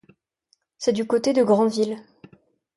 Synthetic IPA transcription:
sɛd̪ykot̪ed̪əɡʁɑ̃vil

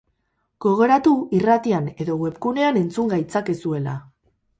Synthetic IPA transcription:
ɡ̥o̞ɣeɾat̪uirat̪iane̞ðo̞ɣwe̞pkune̞ane̞nt͡suŋɡajt͡sake̞sue̞la

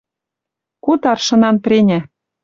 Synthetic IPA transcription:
kut̪ɑrʃɤ̆nɑnprʲenʲæ

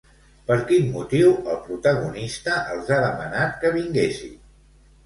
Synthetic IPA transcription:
pəɾkinmut̪iwəlˠpɾut̪əɣ̞unist̪əʔəlˠzaðəmənat̪kəβiŋɡesḭ

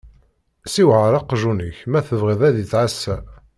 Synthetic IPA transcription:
siwʕəɾˤɑqʒunəçmæθəvʁiðˤæðit͡sːʕasːæ

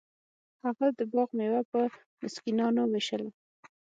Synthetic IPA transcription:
haɣad̪əbɑɣmewapə | mɪskinɑnoweʃəl

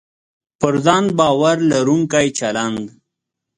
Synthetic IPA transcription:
pəɾzɑːn̚bɑːwaɾlaɾuŋkajt͡ʃɐland̪

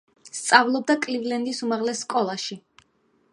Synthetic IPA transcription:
st̪sʼavlˠɔb̚d̪akʼlivlɛnd̪isumaʁlɛsːkʼɔlˠaʃi

